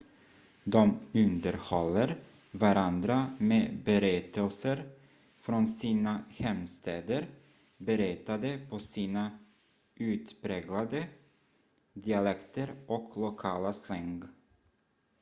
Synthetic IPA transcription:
d̪ɔmɵnd̪əɾhɔlːəɾ | vaɾand̪ɾameːbɛɾɛt̪əlsəɾ | fɾɔnsiːnahɛmst̪eːd̪əɾ | bɛɾɛt̪ad̪əpʰɔsiːna | ʔʉ̟ːt̪pɾeːɡlad̪ə | d̪ɪalɛkt̪əɾʔɔklʊkʰɑːlaslɛŋɡ

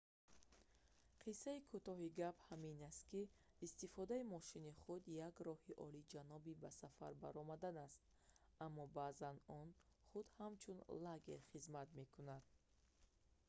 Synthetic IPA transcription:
qʰisːaikʰut̪ɔɦiɡaphaminast̪̚kiː | st̪ifɔd̪aimɔʃiniχud̪jaɡɾɔhiʔɔ̰lid͡ʒanɔbibasafa̰ɾba̰ɾɔmad̪anast̪̚ | amːɔbaːzanɔn | χud̪hamt͡ʃʰunlaɡe̞̰ɾχizmat̪me̞kunad̪̥̚

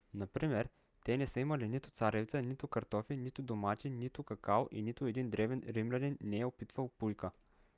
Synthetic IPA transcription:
nɐpɾimɛɾ | t̪ɛnɛsəimɐlinit̪ʊ̥t̪saɾʲɛvt̪sənit̪ʊkɐɾt̪ɔfinit̪ʊd̪omat̪init̪ʊkɐkalˠḭnit̪ʊɛd̪ind̪ɾɛvɛnɾimlʲɛd̪inːɛɛopit̪vɐlˠpujkə

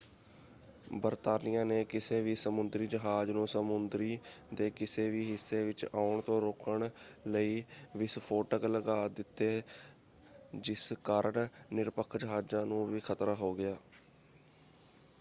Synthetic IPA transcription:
bəɾt̪aːnɪjãːneːkɪseːʋiːsəmʊnd̪ɾiːd͡ʒəɦaːd͡ʒnũːsəmʊnd̪ɾiːd̪eːkɪseːʋiːɦɪsːeːʋɪt͡ʃaːʊɳt̪õːɾoːkəɳləiːʋɪspʰoːʈəkləɡaːd̪ɪt̪ːeː | d͡ʒɪskaːɾəɳnɪɾpəkʰd͡ʒəɦaːd͡ʒãːnũːʋiːkʰət̪ɾaːɦoːɡɪjaː

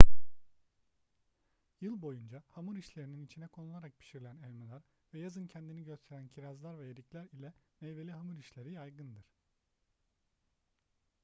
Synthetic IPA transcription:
jɯlˠbo̞jund͡ʒahamuɾiʃlʲe̞ɾininit͡ʃʰinɛkʰo̞nulˠaɾak̚pʰi̥ʃiɾlʲænɛlʲmelʲæɾ | vɛjazɯncʰɛnd̪iniɟø̞st̪ʰeɾæncʰiɾazlˠaɾvɛjed̪iclʲæɾilʲɛmejve̞lʲiɦamuɾiʃlʲe̞ɾijajɡɯnd̪ɯɾ̥

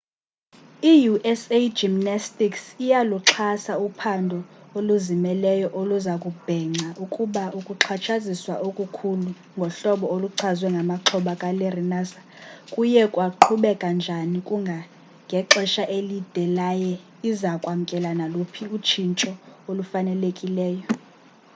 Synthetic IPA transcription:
ijuʔɛsed͡ʒimnastʼiksijaluǁʰasaupʰandʱɔoluzimɛlɛjɔʔoluzakʼub̥ʱɛŋ͡ǀʱaʔukʼuɓaukʼuǁʰat͡ʃʰaziswa̰ʔokʼukʰulu | ŋɡʱɔɬɔɓɔoluǁʰazwɛŋɡʱamaǁʰɔɓakʼalɛrinaːsḁ | kʼujɛkʼwaǃʰuɓɛkʼand͡ʒʱanikʼuŋɡʱa | ŋɡʱɛǁɛʃaʔelid̥ʱɛlajɛ | izakʼwamukʼɛlanalupʰiut͡ʃʰint͡ʃʼɔolufanɛlekʼilɛːjɔ

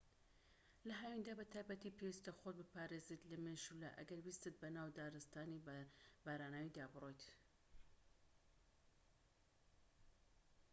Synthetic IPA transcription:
lɐɦaːwind̪aːbɐt̪ʰaːjbɐt̪iːpʰewist̪ɐxot̪̚bɨpaːɾezet̪lɐmeʃula̰ʔɐ̰ɡɐɾwist̪ɨt̪̚bɐnaːwd̪aːɾɨst̪aːnibaːɾaːnaːwid̪aːbɨro̞jt̪

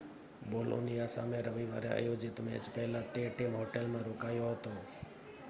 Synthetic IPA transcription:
boːlo̰nijaːsa̰ːmẽɾəʋiʋa̰ːɾea̰joːd͡ʒɪt̪mḛ̃ːd͡ʒpɛɦlaːt̪eːʈimɦoːʈelmãːɾoːkaːjoɦət̪oː

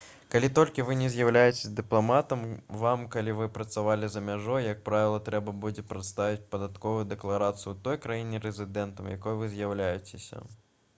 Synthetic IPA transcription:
kalʲit̪ɔlʲkʲivɨnʲɛzʲjawlʲajet͡sʲe̥sʲɐd̪ɨplˠamat̪ɐmvamkalʲivɨpɾɐt̪savalʲizɐmʲaʐɔjːɐk̚pɾavʲɪlˠɐt̪ɾɛbɐbud͡zʲɛpɾat̪st̪avʲit͡sʲpɐd̪at̪kɔvʊjud̪ɛklˠaɾat̪sɨjut̪ɔjkɾajinʲɛɾɛzʲɨd̪ɛnt̪ɐmja̰kɔjvɨzʲjawlʲajɛt͡sʲesʲɐ̰

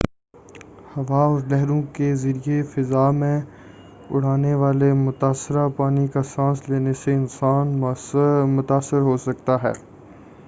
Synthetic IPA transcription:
hɐʋaɔɾlɛɦɾõkezɐɾiefɪzaːmẽ | ʊ̰ɽ̤aːneʋaːlemʊt̪aːsːɪɾapaːnikasãːsleːneseɪnsaːn | mʊt̪aːsːɪɾɦosɐk̚t̪aɦɛ̰ː

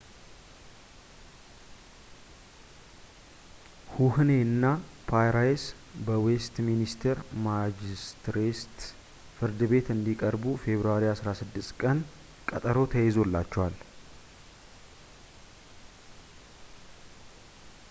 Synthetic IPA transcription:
huhne̞ɨnːapʰajɾajes | bəwe̞st̪minist̪ʰeɾmad͡ʒist̪ɾest̪ | fɨɾd̪ɨbe̞t̪ɨnd̪ikʼəɾbufe̞βɾuaɾiasɾasɨd̪ːɨst̪kʼən | kʼət̪ʼəɾo̞t̪ʰəjezo̞lːat͡ʃːɛwal

